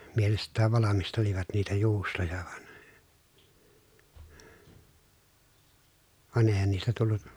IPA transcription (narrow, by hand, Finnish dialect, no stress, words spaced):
mielestˑæːʋ ʋɑlɑmisteliʋɑt niːtæ juːstojɑ ʋɑn ʋɑn eˑi̯hæn niːstæ tulːu